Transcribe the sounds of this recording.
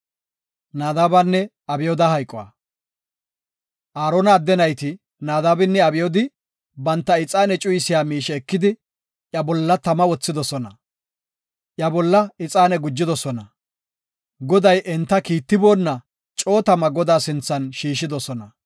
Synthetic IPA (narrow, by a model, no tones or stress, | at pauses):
naːd̪aːbanːɛ | ɐbɪjod̪ɐhɐjkʼɔwa̰ː | ʔaːɾonɐːd̪ːɛnɐjt̪ɪ | naːd̪aːbɪnːɛɐbɪjɔd̪ɪ | bɐnt̪ːɐɪt͡sʼaːnɛt͡ʃʼʊjɪsɪjaːmiːʃɛːkːɪd̪ɪ | ʔjɐbɔlːɐt̪ɐmɐwɔt͡sːɪd̪ɔsɔnɐ | ʔjɐbɔlːɐɪt͡sʼaːnɛɡʊd͡ʒːɪd̪ɔsɔnɐ | ɡɔd̪ɐjʔɛnt̪ːɐkiːt̪ːɪbo̞ːnːɐ | t͡ʃʼo̞ːt̪ɐmɐɡɔd̪aːsɪnt͡sːɐnʃiːʃɪd̪ɔsɔnɐ